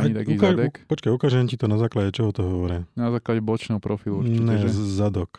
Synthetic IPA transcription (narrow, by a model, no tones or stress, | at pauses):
at̪akuizkaɛupɔt͡ʃkajukaːʒɛmcit̪ɔnazaːklaɟɛt͡ʃɔɦɔt̪ɔɦɔʋɔɾɛnazaːklaɟɛbɔt͡ʃnɛɦɔpɾɔfilˠuɲɛɛzad̪ɔk